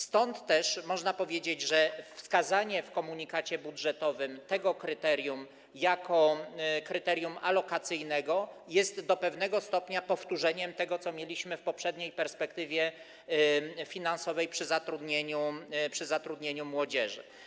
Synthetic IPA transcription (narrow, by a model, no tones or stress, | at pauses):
st̪ɔnt̪ːɛʂmɔʐnapɔvʲjed͡ʑed͡ʑʐɛfskazaɲɛfkɔmuɲikat͡ɕɛbudʐɛt̪ɔvɘmt̪ɛɡɔkɾɘt̪ɛɾʲjum | jakɔkɾɘt̪ɛɾʲjumalɔkat̪sɘjnɛɡɔjɛst̪d̪ɔpɛvn̪ɛɡɔst̪ɔpɲapɔft̪uʐɛɲɛmt̪ɛɡɔt̪sɔmʲjelʲiɕmɘfpɔpʂɛd̪ɲejpɛɾspɛkt̪ɘvʲjɛ | fʲinansɔvɛjpʂɘzat̪ɾud̪ɲeɲupʂɘzat̪ɾud̪ɲeɲumwɔd͡ʑɛʐɘ̰